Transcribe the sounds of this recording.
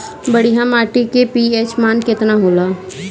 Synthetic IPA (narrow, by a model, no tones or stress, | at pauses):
bəɽiɦamaːʈikepieːt͡ʃmaːnkɪt̪naɦoːlaː